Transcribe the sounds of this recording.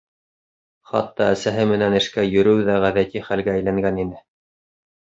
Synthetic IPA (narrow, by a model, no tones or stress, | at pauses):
χɑ̰t̪ːɑæsæɦɘmɘ̆nænɘ̆ʃkæjɵ̆ɾɘwðæʁæðæt̪iχælɡæːjlæŋɡæninɘ